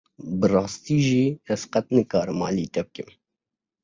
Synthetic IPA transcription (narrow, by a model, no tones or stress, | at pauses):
bɨrˤɑːst̪iːʒiːɛzqɛt̪nɨkɑːɾɨmɑ̰ːliːt̪ɛbɨkɨm